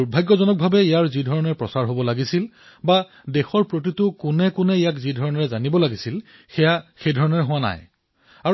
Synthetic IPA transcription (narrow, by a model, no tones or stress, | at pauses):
uɹbʱajɡːɔzɔnɔk̚bʱabɛijaɹzidʱɔɹɔnɔɹɛpɹɔsaɹɦobɔlaɡisil | ba | dɛxɔɹpɹot̬itʊkʊnɛkʊnɛijakzidʱɔɹɔnɔɹɛzanibɔlaɡisil | xɛjaxejdʱɔɹɔnɔɹɛɦʊwana̰j | a